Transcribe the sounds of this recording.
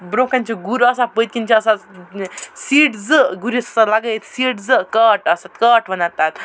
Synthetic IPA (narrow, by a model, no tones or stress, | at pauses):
bɾokãnt͡ɕeɡuɾəsabəjt̪̚kʲint͡ɕaːsa | siːʈd͡zəɡuɾissalaɡəjt̪siːʈd͡zəkəʈəsat̪kəʈʋənat̪at̪